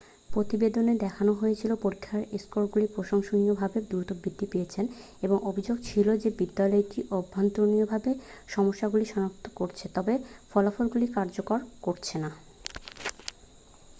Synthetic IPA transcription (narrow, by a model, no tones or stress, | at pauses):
pɾot̪ibed̪oned̪ɛkʰanoɦojet͡ɕʰilopoɾikʰːaɾeskoɾɡulipɾoʃoŋʃoniobʱabed̪uɾt̪obid̪ʱːipejet͡ɕʰen | eboŋobʱid͡ʑoɡt͡ɕʰilod͡ʑebid̪ːalɔeʈiʔobʱːant̪ɾoniobʱabeʃɔmoʃːaɡuliʃɔnak̚t̪ʰo̥koɾt͡ɕʰet̪ɔbefɔlafolɡulikaɾd͡ʑokoɾkoɾt͡ɕʰena